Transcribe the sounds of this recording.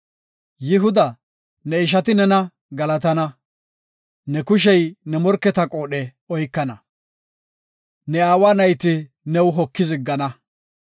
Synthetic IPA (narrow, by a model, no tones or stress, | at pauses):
jɪɦʊd̪ɐ | nɛɪʃ̬ɐt̪ɪnɛnɐ | ɡɐlɐt̪ɐnɐ | nɛkʊʃ̬ɛjnɛmɔɾkːɛt̪ɐkʼo̞ːɗɛ | ɔjkːɐnɐ | nɛaːwaːnɐjt̪ɪ | nɛwɦɔkːɪzɪɡːɐnɐ